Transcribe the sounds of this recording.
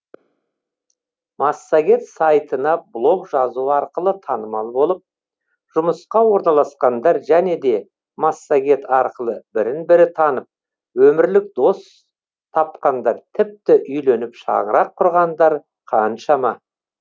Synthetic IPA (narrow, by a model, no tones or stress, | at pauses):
mɑsːaɡʲe̞t̪sɑjt̪ənɑblˠo̞kʒɑzuəɑɾqəlˠət̪ʰɑnəmɑlˠbo̞lˠəp̚ | ʒ̥ʊməsqɑwo̞ɾnɑlˠɑsqɑnd̪ɑɾʒæne̞d̪e̞ | masːaɡʲe̞t̪ʰɑɾqəlˠəbɪɾɪnbɪɾɪt̪ʰɑnəp̚ | wɵmɪɾlɪk̚d̪o̞s | t̪ʰɑp̚qɑnd̪ɑɾt̪ʰɪp̚t̪ɪʔʏjlenɪpʃɑ̰ʁəɾɑqʰːʊɾʁɑnd̪ɑɾ | qʰɑnʃɑmɑ